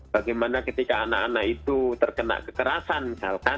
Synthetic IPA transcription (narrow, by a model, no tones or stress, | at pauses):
b̥aɡajmanakət̪ikaːnaʔanaʔit̪ut̪ərkəna̰ʔkəkəɾasankalka